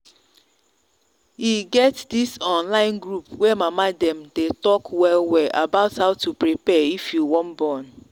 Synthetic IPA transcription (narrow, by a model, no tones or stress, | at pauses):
hiɡɛtdisɔ̃nlãɪ̃nɡɾupwɛmamadɛm̩detɔkwɛlwɛʔa̰baʊthaʊtupɹipɛifjuwɔ̃mbɔn